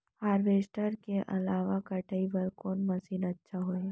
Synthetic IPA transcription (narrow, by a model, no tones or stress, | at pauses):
haːɾʋeːsʈəɾkeʔɐ̰laːʋakɐʈʰəibəɾkoːnmɐsiːnətːʃʰaɦo